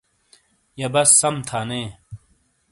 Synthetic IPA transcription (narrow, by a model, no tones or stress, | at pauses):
jɐbɐsːɐmt̪ʰaːneː